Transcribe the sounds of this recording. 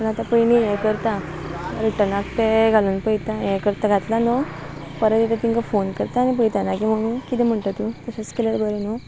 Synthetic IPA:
pəɳat̪apəɭimijekəɾt̪a | ɾiʈənakt̪eɡʱaluːnpəjt̪ajekəɾt̪aɡʱat̪lanɔ | pəɾət̪it̪at̪iŋkafonkəɾt̪aːnip̬əjt̪anakim̤əɽ̃ũnkit̪ɛm̤əɳʈ̪at̪ut̪əɕat͡skeləɽbəɾeno

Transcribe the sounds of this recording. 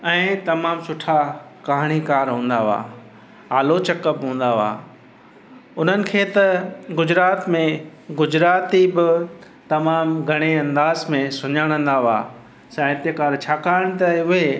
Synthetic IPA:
ɛ̃ːt̪ɐmaːmsʊʈʰakaːɦɽ̃ikaːɾɦũːnd̪aʋa̰ː | aːlot͡ɕɐkəpɦũːn̆d̪aʋa̰ː | ʊn̤ənɪ̆kʰeːt̪ɐɡʊd͡ʑɾaːt̪mẽɡʊd͡ʑɾaːt̪ibɪ | t̪ɐmaːmɡʱɐɽ̃eɐ̃nd̪aːzmẽsʊɲaːɽ̃ə̃nd̪aʋa̰ː | saːjt̪ekaːɾt͡ɕʰaːkaːɪɽ̃t̪aʊɦe

